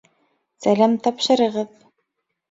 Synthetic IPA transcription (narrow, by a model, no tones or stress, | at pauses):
sælæmt̪ɑpʃɤ̆ɾɤ̆ʁɤð